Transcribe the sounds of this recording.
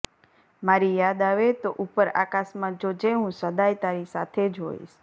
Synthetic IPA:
maɾijad̪aʋet̪oʔupəɾa̰kasmãd͡ʒod͡ʒeɦũsəd̪ajt̪aɾisat̪ʰed͡ʒɦo̰ḭʃ

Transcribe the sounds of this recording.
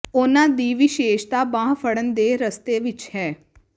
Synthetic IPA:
oːnad̪iːʋiʃeːʃt̪abãːɦfʰəɽənd̪eːɾəst̪eʋɪt͡ʃhɛː

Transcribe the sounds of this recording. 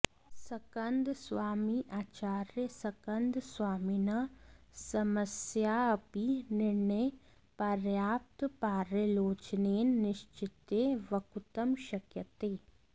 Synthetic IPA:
sɐkɐnd̪sʋaːmiʔaːt͡ʃaːɾjəsɐkɐnd̪sʋaːminɐsɐmɐsjaːɐpinɪɾɳəj | pɐɾjaːp̚t̪paːɾjəloːt͡ʃneːnːɪʃt͡ʃɪt̪eːʋɐkut̪ɐmʃɐkjɐt̪eː

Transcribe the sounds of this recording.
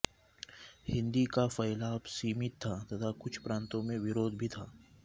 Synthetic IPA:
hɪ̃nd̪ikafɐɪlaːbsiːmɪt̪ʰːat̪ɐt̪ʰakʊt͡ʃʰpɾãːnt̪õmẽʋɪɾoːd̪ʱbʱit̪ʰaː

